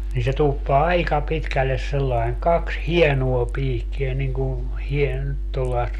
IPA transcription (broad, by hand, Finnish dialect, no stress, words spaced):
niː se tuːpːɑː ɑikɑ pitkælːes selːɑeŋ kɑks hienuo piːkːie niŋ ku hien tolːɑest